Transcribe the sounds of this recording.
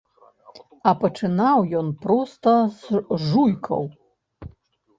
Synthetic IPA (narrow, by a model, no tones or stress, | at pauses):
apɐʈ͡ʂʰɨnawjɔnpɾɔst̪ɐsʐujkʰɐ̰w